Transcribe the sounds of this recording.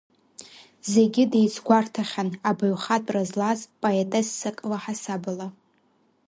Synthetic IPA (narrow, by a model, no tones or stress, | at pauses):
ze̞ɡʲɪdejt͡sʰɡʷartʰaχʲanabɨɥχatʼrazlazpʼoetʼesːɨkʼlaħasabɨla